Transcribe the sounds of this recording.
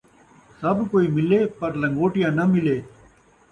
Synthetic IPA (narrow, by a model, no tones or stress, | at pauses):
sɐbkoːiːmɪleːpɐɾlɐ̃ŋɡoːʈijãːnɐmɪleː